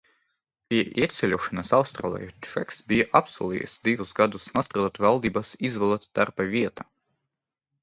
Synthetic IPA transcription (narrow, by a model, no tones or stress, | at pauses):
pʲiɛʔiɛt̪sʲɛlʲuɔʃanasawst̪ɾa̰lˠɛ̰jt͡ʃɛksbʲijaʔapsuɔlʲˠḭːjɛ̰sd̪ivusɡad̪usnust̪ɾaːd̪at̪valˠd̪iːbasizvɛlˠat̪d̪̥aɾpavʲiɛt̪a